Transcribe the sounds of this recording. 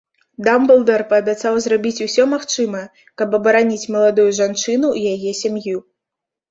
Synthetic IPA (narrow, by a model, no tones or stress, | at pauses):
d̪ambɛlˠd̪ɛrpɐːbʲat̪sawzrabʲit͡sʲusʲɔmaxt͡ʂɨmɐ | kɐbɐbɐɾanʲit͡sʲmɐlˠad̪ujuʐant͡ʂɨnuijajɛsʲamju